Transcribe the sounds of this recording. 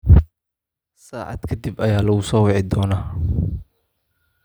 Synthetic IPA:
saːʕɑ̰d̪kʰɐd̪ibɐjaːlɐɣʊsɔːwɪʕɪd̪ɔːnaː

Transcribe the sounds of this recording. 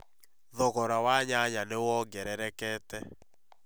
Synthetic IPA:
ðɔɣɔɾawaɲaɲanewɔɡɛɾɛɾɛkɛːtɛ

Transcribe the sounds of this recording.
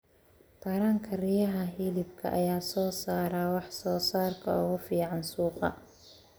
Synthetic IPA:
t̪ʰɐɾɐŋkʰɐrɪjɐɦɐɦiːlɪb̚kʰɐ̰ʔɐ̰jaːsɔːsaːɾɐwɑħsɔːsaːrkʰɐʊɣʊfiːʕɑnsuːqɑ̰

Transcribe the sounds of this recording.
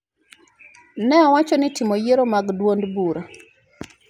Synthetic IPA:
nɛawat͡ʃɔnitimojeɾomaɡdwondbuɾa

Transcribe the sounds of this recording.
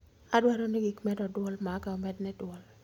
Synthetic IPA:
adwaɾonɪɡikmɛdɔdwɔlmakaomɛdnɛdwɔl

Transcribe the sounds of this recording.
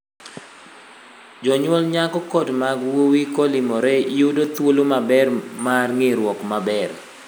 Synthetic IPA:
d͡ʒɔɲwɔlɲakɔkɔdmaɡwowikɔlɪmɔɾɛiodot̪wolomabɛrmarŋeɾwɔkmabɛr

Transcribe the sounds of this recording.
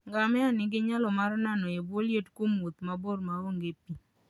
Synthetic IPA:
ŋɡamɛanɪɡɪɲalɔmaɾnanɔeboljetkwomwot̪mabormaoŋɡepi

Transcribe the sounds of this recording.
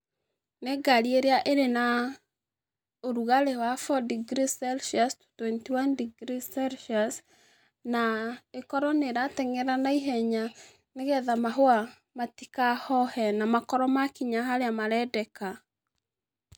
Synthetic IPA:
neɡaɾieɾeaʔeɾena | oɾuɣaɾewafɔdiɡɾisɛlʃiasttwɛntiwandiɡɾisɛlʃias | naekɔɾɔneɾatɛŋɛɾanaiɦɛɲa | neɣɛðamaɦoa | matikahɔhɛnamakɔɾɔmakiɲaɦaɾeamaɾɛdɛka

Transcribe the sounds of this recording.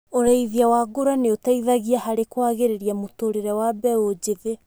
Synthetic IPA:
oɾaiðiawaɡoɾaneotaiðaɣiahaɾekwaɣeɾeɾiamotoɾeɾɛwabɛod͡ʒeðe

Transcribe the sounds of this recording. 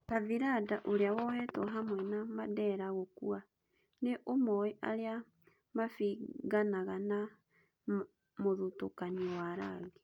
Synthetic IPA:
paviɾadaʔoɾeawɔhɛtɔɦamwɛnamadɛɾaɣokua | neʔomɔiʔa̰ɾea | mafiɣanaɣana | moðutokaniɔwaɾaɣe

